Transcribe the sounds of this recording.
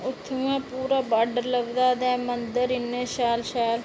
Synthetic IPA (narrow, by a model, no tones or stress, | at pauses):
ʊt̪ʰːuːãːpuːɾaːbaːɖəɾləɡd̪aːd̪ɛːmənd̪əɾɪnːeːʃaːlʃaːl